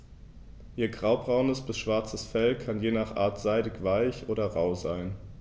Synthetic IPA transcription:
ʔiːɐɡʁaʊbʁaʊnəsb̥ɪsʃv̥aɐt͡səsfɛlkʰanjeːnaːχʔa̰ːɐtz̥aɪdɪçv̥aɪçʔoːɾɐʁaʊzaɪn

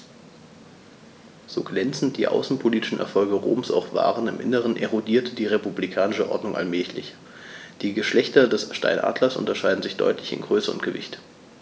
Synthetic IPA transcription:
z̥oːɡlɛnt͡sn̩t̚d̥iːʔa̰ʊsn̩pʰoliːtɪ̥ʃn̩ʔɛ̰ɐfɔlɡəʁo̰ːmsa̰ʊxv̥a̰ːʁənɪmʔɪ̰nəʁ̞ənʔeʁodiːɐtədiːʁepublikʰaːnɪʃəʔɔ̰ɐdnʊŋʔa̰lmɛːçlɪ̰ç | d̥iːɡəʃlɛçtɐdɛsʃta̰ɪnʔa̰ːdlɐsʔʊ̰ntɐʃaɪdn̩zɪçd̥ɔ̰ʏtlɪçɪ̰nɡʁøːsəʊ̰nt̚ɡ̥əvɪ̰çt

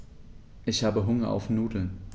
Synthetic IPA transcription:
ʔɪçhaːbəɦʊŋɐʔa̰ʊfnuːdl̩n

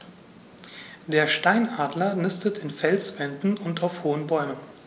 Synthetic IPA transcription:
d̥eːɐʃtaɪnʔaːdlɐnɪstətʰɪnfɛlsvɛndn̩ʊntaʊfhoːənbɔʏmən

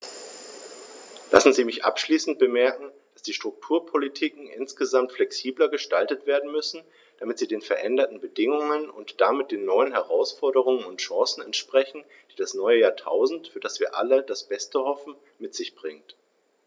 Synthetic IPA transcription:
lʔa̰sn̩ziːmɪçʔa̰pʃliːsn̩t̚b̥əmɛɐkŋ̩ | d̥asd̥iːʃtʁ̥ʊk̚tʰuːɐpʰolitʰiːkŋ̩ʔɪ̰nsɡ̥əzamtflɛksiːblɐɡəʃtaltətv̥eːɐdn̩mʏsn̩ | d̥amɪtz̥iːdeːnfɛɐʔɛndɐtn̩bədɪŋʊŋənʊ̰ntd̥amɪt̚d̥eːnːɔʏənɦɛʁaʊsfɔɐɾəʁ̞ʊŋənʊntʃɑ̃ːsn̩ɛntʃpʁ̥ɛçn̩ | d̥iːdasnɔʏəjaːɐtʰa̰ʊzn̩tfyːɐdasv̥iːɐʔa̰lədasb̥ɛstəhɔfn̩ | mɪtz̥ɪçb̥ʁɪŋt

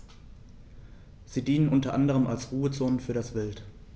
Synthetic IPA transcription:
z̥iːdiːnənʔʊntɐʔandəʁ̞əmʔalsʁuːət͡soːnənfyːɐɾasv̥ɪlt

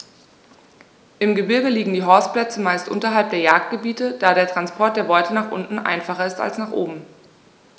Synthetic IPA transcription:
ʔɪmɡəbɪɐɡəliːɡŋ̩diːɦɔɐspl̥ɛt͡səmaɪstʔʊ̰ntɐɦalp̚d̥eːɐjaːk̚t̚ɡ̥əbiːtəd̥aːɾeːɐtʁ̥anspʰɔɐt̚d̥eːɐvɔʏtʰənaːχʔʊ̰ntn̩ʔa̰ɪnfaχɐɪsta̰lsnaːχʔo̰ːbm̩

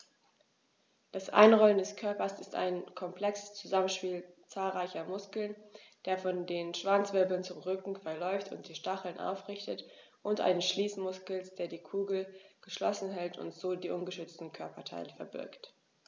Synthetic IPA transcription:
d̥asʔa̰ɪnʁɔləndɛskʰœɐpɐsɪsta̰ɪnkʰɔmpl̥ɛkst͡suzamənʃpiːlt͡saːlʁaɪçɐmʊskl̩nd̥eːɐfɔndeːnnʃv̥ant͡sv̥ɪɐbl̩nt͡sʊmʁʏkŋ̩fɛɐlɔʏftʊ̰nt̚d̥iːʃtaχl̩nʔa̰ʊfʁɪçtət | ʔʊntʔa̰ɪnəsʃliːsmʊskl̩sd̥eːɐdiːkʰuːɡl̩ɡ̥əʃlɔ̰sn̩ɦɛltʰʊ̰ntz̥oːdiːʔʊnɡəʃʏt͡stn̩kʰœɐpɐtʰa̰ɪləfɛɐbɪ̰ɐkt

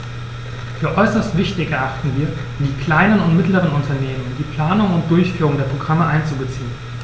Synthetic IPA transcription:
fyːɐʔɔʏsɐstv̥ɪçtɪçɛɐʔaχtn̩viːɐ | diːkl̥aɪnənʊntmɪtləʁənʊntʰɐneːmənndiːpl̥aːnʊŋʊnt̚d̥ʊɐçfyːʁʊŋdeːɐpʁ̥oɡʁaməʔaɪnt͡subət͡siːən

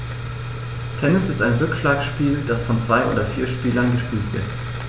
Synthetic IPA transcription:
tʰɛnɪsɪstaɪnʁʏkʃlaːksʃpiːld̥asfɔnt͡sv̥aɪʔo̰ːdɐfiːɐʃpiːlɐnɡəʃpiːltv̥ɪɐt

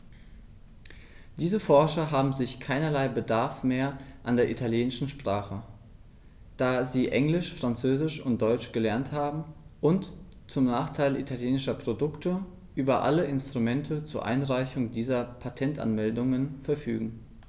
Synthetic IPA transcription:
d̥iːzəfɔɐʃɐɦaːbm̩zɪçkʰaɪnɐlaɪbədaɐfmeːɐʔandeːɐʔitʰaljeːnɪʃn̩ʃpʁ̥aːχə | d̥aːziːʔɛŋlɪʃfʁ̥ant͡søːzɪʃʊnt̚d̥ɔʏt͡ʃɡ̥əlɛɐnthaːbm̩ʔʊnt | t͡sʊmnaːχtʰaɪlʔḭtʰaljeːnɪʃɐpʁ̥odʊktʰə | ʔyːbɐʔa̰ləʔɪnstʁ̥umɛntʰət͡suːɐʔa̰ɪnʁaɪçʊŋdiːzɐpʰatʰɛntʔa̰nmɛldʊŋənfɛɐfy̰ːɡŋ̩

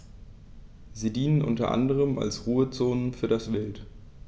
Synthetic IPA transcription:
ziːdiːnənʔʊ̰ntɐʔa̰ndəʁ̞əma̰lsʁuːət͡soːnənfyːɐɾasv̥ɛlt

